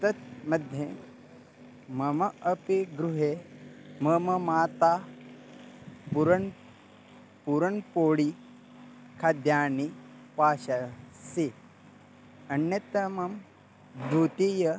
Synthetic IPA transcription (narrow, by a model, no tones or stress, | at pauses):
t̪ɐt̪̚mɐd̪ʱje | mɐmɐɐpiɡɾuɦemɐmɐmaːt̪a | puɾɐɳ | puɾɐɳpoːɽi | kʰad̪jaːnipaːɕasi | ɐnːjɐt̪ɐmɐm | d̪ʱut̪ijɐ